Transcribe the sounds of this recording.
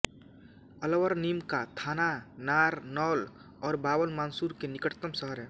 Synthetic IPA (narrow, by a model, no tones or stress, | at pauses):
ɐləʋəɾniːmkat̪ʰaːnanaːɾnɔːl | ɔːɾbaːwəlmaːnsuːɾkenɪkəʈt̪əmsəɦəɾɦɛː